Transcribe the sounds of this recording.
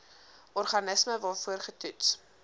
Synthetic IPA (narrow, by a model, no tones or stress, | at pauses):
ʔɔrχɐnəsməvɑːfuərχətuts